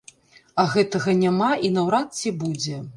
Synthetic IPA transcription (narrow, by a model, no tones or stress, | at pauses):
ɐɣɛt̪ɐɣɐnʲamaʔinɐwɾat̪t͡sʲibud͡zʲɛ